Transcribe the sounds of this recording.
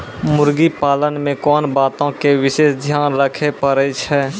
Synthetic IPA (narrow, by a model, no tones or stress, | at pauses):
mʊɾɡipaːlənmẽkɔːnbaːt̪õkeʋɪʃeːsd̪ʱjaːnɾəkʰepəɾet͡ʃʰɛː